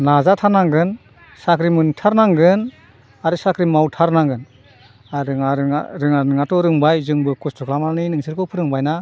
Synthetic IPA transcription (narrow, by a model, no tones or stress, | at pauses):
nazatʰanaŋɡɯn | sakɾimɯntʰaɾnaŋɡɯn | aɾɯsakɾimawtʰaɾnaŋɡɯn | aɾɯŋaɾɯŋaɾɯŋanɯŋatɔɾɯŋbajzɯŋbɯkɔstʰɔklamalninɯŋsʰɯɾkʰɔwpʰɯɾɯŋbajna